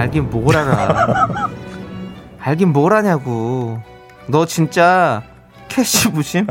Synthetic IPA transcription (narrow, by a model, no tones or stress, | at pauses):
aɭɡimmoɾaɾa | aɭɡimmoɾaɲaɡu | nʌt͡ɕint͡ɕ͈a | kʰeɕibuɕʰim